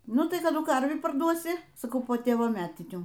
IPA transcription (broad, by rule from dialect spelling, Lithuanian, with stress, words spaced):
ˈnʊ tɐɪ kɐˈdʊ ˈkɐrʲʋʲiː pɐˈrduɔsʲɪ sɐˈkɐʊ poː ˈtʲeːʋoː ˈmʲæːtʲɪnʲuː